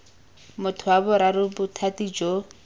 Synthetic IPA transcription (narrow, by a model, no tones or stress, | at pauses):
mʊt̪ʰʊabʊɾaɾʊbʊt̪ʰat̪id͡ʒo